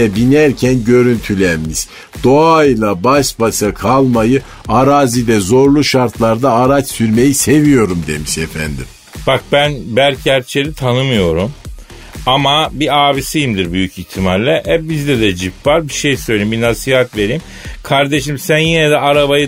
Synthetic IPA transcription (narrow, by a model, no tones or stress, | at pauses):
ɛbinæɾcʰænɟø̞ɾynt̪ʰylʲæɾmiz̥ | d̪̥oajlˠabaʃbaʃakʰalˠmajɯ | aɾaːzid̪ɛzo̞ɾlˠuʃaɾt̪ʰlˠaɾd̪aːɾat͡ʃsyɾme̞jise̞vijo̞ɾumd̪e̞miʃefænd̪ḭm | b̥ak̚bænbæɾcʰæɾt͡ʃʰelʲit̪ʰanɯmɯjo̞ɾum | amabiaːbisijɯmd̪iɾbyjyciçt̪ʰimallʲɛʔɛbizd̪ɛd̪ɛd͡ʒipvaɾbiʃejsø̞jlʲeimbinasiːhat̪ve̞ɾim | kʰaɾd̪e̞ʃimsænjenɛd̪ɛaɾabajɯ